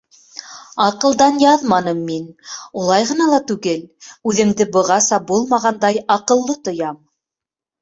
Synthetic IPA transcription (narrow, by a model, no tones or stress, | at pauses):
ɑqɤ̆lˠd̪ɑnjɑðmɑnɤmːinulˠɑjʁɤ̆nɑlˠɑt̪ʉɡɘlʉðɘ̆md̪ɘbɤ̆ʁɑsɑbulˠmɑʁɑnd̪ɑjɑqɤ̆lˠːɤt̪ŏjɑm